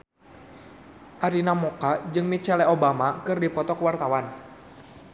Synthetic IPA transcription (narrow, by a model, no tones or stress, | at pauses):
ʔaɾinamokad͡ʒɨŋmit͡ʃɛlɛʔobamakɨrdipɔt̪ɔkəwart̪awan